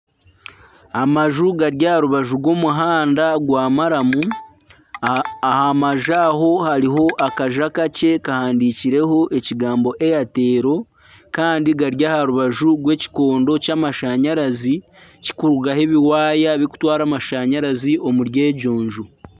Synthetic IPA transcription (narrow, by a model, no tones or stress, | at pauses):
amaʒuɡaɾjahaɾuβaʒuɡwo̞muɦaːndaɡwaːmaɾamu | ahamaʒaɦo̞haɾiɦo̞ʔakaʒakace̞kahaːndiciɾe̞ɦo̞ʔe̞ciɡaːmbo̞ʔe̞jate̞ːɾo̞ | kaːndiɡaɾjahaɾuβaʒuɡwe̞ːci̥ko̞ːndo̞camaʃaɲaɾazi | ci̥kuɾuɡahe̞βiwaːjaβjiku̥twaːɾamaʃaɲaɾaziʔo̞muɾje̞ːɟoːɲʒu